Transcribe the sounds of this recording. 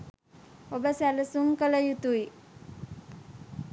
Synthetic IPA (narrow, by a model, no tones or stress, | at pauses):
obəsæləsuŋkələjut̪ui